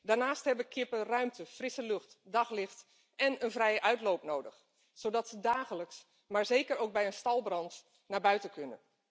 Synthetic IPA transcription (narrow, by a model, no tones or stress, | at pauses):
daːɹnaːsthɛʋəkʰɪpərœɥmtʰəfrɪsəløxtdɑxlɪxt | ɛnənvrɛjəʔœɥtlowpnoːdəx | soːdɑtsədaːxələks | maːɹzeːkəɾowk̚bɛjənstɑlˠbrɑnt | naːbœɥtənkʰønə̰n